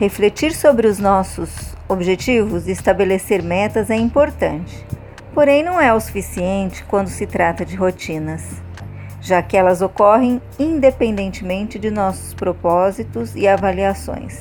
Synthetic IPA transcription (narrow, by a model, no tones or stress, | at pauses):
heflet͡ʃiɾsobɾɪʊznɔsʊzobʒet͡ʃivʊzd͡ʒɪːst̪abeleseɾmɛt̪ɐzɛĩpoɾt̪ɐ̃nt͡ʃɪ̥ | poɾẽj̃nɐ̃w̃ɛosu̥fisiẽnt͡ʃɪ̥kwɐ̃nd̪ʊsɪt̪ɾat̪ɐd͡ʒɪɦot͡ʃĩnɐs | ʒ̥akɪɛlɐzokɔɦẽj̃ | ĩd̪epẽnd̪ẽnt͡ʃɪmẽnt͡ʃɪd͡ʒɪnɔsʊ̥spɾopɔzit̪ʊzɪavaliasõ̰j̃s